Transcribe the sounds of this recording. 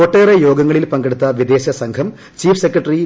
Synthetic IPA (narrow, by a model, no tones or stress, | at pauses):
oʈːeːrejo̞ːɡɐŋːɐɭilpɐŋɡeɽut̪ːɐʋid̪e̞ːɕɐsɐŋkʰɐm | t͡ɕiːfsekːrɐʈːɐri